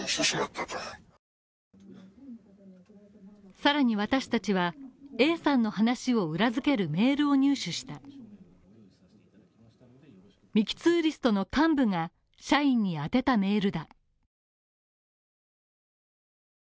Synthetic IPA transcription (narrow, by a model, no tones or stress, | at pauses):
saɾaɲ̟iβ̞at̪aɕi̥t̪at͡ɕiβae̞ːsãnːo̞hanaɕio̞ɯ̟ɾazɨke̞ɾɯ̟me̞ːɾɯ̟o̞ɲ̟ɨːɕɨɕi̥t̪a | mʲikʲi̥t͡sɨːɾʲisɨ̥t̪o̞no̞kãmbɯ̟ŋa | ɕaĩɲ̟ːiat̪e̞t̪ame̞ːɾɯ̟d̪a